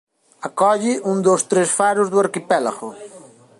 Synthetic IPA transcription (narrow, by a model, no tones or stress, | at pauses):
akɔʎɪʔũŋd̪ost̪ɾesfaɾʊzðʊaɾkipɛla̰ɣʊ